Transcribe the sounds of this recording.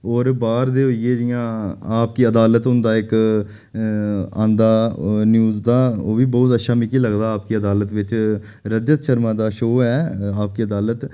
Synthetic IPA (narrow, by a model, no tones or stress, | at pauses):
ɔːɾbaːɾd̪eːɦoːieːɾɪjãːaːpkiːəd̪aːlət̪ʊnd̪aːɪk | ã̰ːnd̪aːnjuːzd̪aːoːʋiːbɔːt̪ətːʃʰaːmikiːləɡd̪aːaːpkiːəd̪aːlət̪ʋɪt͡ʃ | ɾəd͡ʒət̪ʃəɾmãːd̪aːʃoːɛːaːp̚kiːəd̪aːlət̪